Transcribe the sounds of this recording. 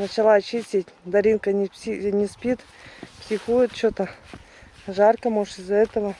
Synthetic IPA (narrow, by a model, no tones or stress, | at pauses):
nət͡ɕɪlˠat͡ɕisʲitʲd̪ɐɾʲinkənʲinʲɪspʲit̪ | psʲɪxujɪt̪̚t͡ɕot̪ə | ʐarkəmoʂɪzːɐɛt̪əvə